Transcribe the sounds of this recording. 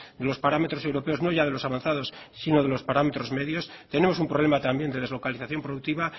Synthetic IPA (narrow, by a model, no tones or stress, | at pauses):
d̪e̞lo̞spaɾame̞t̪ɾo̞sewɾope̞o̞zno̞ʝað̞e̞lo̞saβanθað̞o̞ssino̞ð̞e̞lo̞spaɾame̞t̪ɾo̞zme̞ðjo̞st̪e̞ne̞mos̬umpɾo̞β̞lemat̪ambjend̪e̞ð̞e̞zlo̞kaliθaθjo̞mpɾoðukt̪iβa